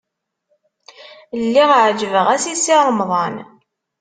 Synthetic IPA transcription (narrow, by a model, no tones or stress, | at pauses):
lːiʁʕd͡ʒəvəʁæsisiɾˤmðˤɑn